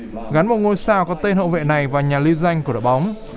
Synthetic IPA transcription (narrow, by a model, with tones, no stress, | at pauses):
ɣa˨˦nmo˨˩t̚ŋo˧jsaː˧wkɔ˨˦t̪e˧nhə̰˧˨wvḛ˧˨na˨˩jvaː˨˩ɲaː˨˩li˧wza˧jŋ̟kɗə̰˧˨˩ɓa˨˦wŋ͡m